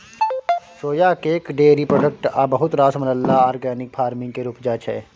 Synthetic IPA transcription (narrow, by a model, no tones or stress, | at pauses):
ʃoːjakeːkɖeːɾipɾoːɖək̚ʈabɐɦʊt̪ɾaːsmɐləlːaaːɾɡɛːnɪk̚fʰaːɾmɪ̃ŋɡkeɾuːpd͡ʒaːt͡ʃʰɛ̰ː